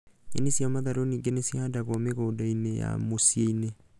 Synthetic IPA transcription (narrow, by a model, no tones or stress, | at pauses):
ɡḛnesjamaðaɾoniɡenesiadaɣomeɣodaineja̰mosieine